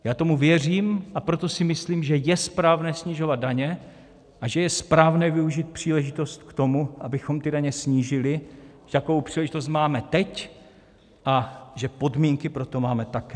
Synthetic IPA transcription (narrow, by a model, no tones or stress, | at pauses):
jaːt̪o̞muvjɛriːmʔapɾot̪o̞sɪmɪsliːmʒɛjɛspɾaːvnɛːsɲiʒo̞vad̪̚daɲɛ | ʔaʒɛjɛspɾaːvnɛːvɪuʒit̪̚pr̝̥iːlɛʒɪt̪o̞st̪kt̪o̞muʔabɪxo̞mt̪ɪdaɲɛsɲiːʒɪlɪʒɛt̪akovowpr̥iːlɛʒɪt̪os̬t̪maːmɛt̪ɛc | ʔaʒɛpo̞dmiːŋkɪpɾo̞t̪o̞maːmɛt̪akɛː